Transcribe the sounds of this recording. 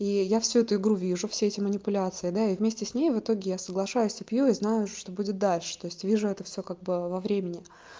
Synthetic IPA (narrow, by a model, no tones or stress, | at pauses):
ijafsʲuɛt̪ʊɪɡɾuvʲiʐʊfsʲeɛtʲɪmənʲɪpʊlʲat̪sɨɪd̪aivmʲesʲtʲɪsʲnʲejvɨt̪o̞ɡʲɪjasəɡlˠɐʂajʊsʲəpjuiznajʊʂʂt̪o̞budʲɪt̪̚d̪alʲʂɨ̥t̪o̞ɪsʲtʲvʲiʐʊɛt̪əfsʲokaɡ̚bɨvɐvɾʲemʲɪnʲɪ